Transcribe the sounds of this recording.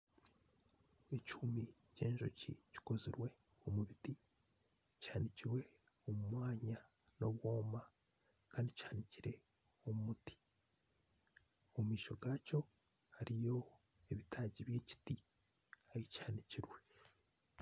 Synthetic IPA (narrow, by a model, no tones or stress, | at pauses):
ecumi | ce̞ːɲʒo̰cḭci̥koziɾwe̞ | omuβiti | caːniciɾwe̞ | omumwaːɲa | no̞βwo̞ːma | kaːndichaːniciɾe̞ | omumuti̥ | omumiːʃo̞ɡaco̞ | haɾijo̞ | eβitaːɟiβje̞ːci̥ti | haɾicaːniciɾwe̞